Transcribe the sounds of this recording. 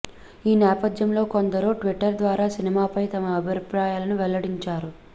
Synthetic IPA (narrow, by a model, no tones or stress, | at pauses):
iːnɛːpɐd̪jɐmlo̞ːkond̪ɐɾoːʈʋiʈːɐɾd̪ʋaːɾaːsinimaːpɐjt̪ɐmɐːbʱipɾaːjaːlɐnuʋɛlːɐɽiɲt͡ʃaːɾu